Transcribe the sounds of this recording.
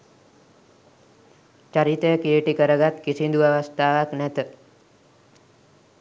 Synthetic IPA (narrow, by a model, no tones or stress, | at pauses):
t͡ʃaɾit̪ekieʈikəɾəɡat̪kisĩnd̪uaʋast̪aːʋaknɛt̪ə